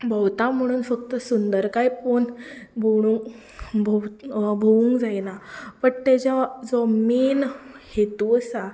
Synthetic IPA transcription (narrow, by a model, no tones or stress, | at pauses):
bʱəwt̪am̤əɽ̃uːnfəkt̪əsund̪əɾkajponbʱoɽ̃uŋ | bʱobʱoʋuŋkd͡zajnapəɳt̪ɛd͡ʑad͡zɔmenhet̪uəsa